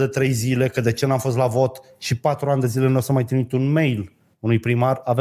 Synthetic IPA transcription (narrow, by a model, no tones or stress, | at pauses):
d̪et̪ɾe̞jzile̞kəd̪e̞t͡ʃe̞namfo̞s̬t̪lavo̞t̪ | ʃipat̪ɾuanʲd̪e̞zile̞nosamːajt̪ɾimit̪unme̞jl | unujpɾimarave